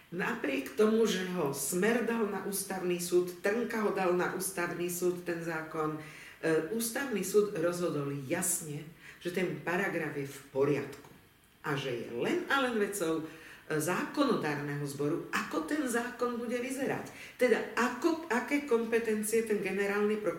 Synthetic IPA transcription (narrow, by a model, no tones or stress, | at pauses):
napɾɪɛkt̪ɔmuʒɛɦɔsmɛɾd̪alnaʔuːst̪aʊniːsuːt̪ːr̩ŋkaɦɔd̪alnaʔuːst̪aʊniːsuːt̪ːɛnzaːkɔn | uːst̪aʊniːsuːd̪ɾɔzɦɔd̪ɔljasɲɛʒ̥ɛt̪ɛmpaɾaɡɾavjɛfpɔɾɪa̰t̪ku̥ | ʔaʒɛjɛ̰lɛnalɛnʋɛt͡sɔʊzaːkɔnɔt̪aːɾnɛɦɔzbɔɾuʔakɔt̪ɛnzaːkɔnbuɟɛʋizɛɾa̰c | t̪ɛd̪aakɔakɛːkɔmpɛt̪ɛnt͡siɛt̪ɛnɡɛnɛɾaːlnipɾɔ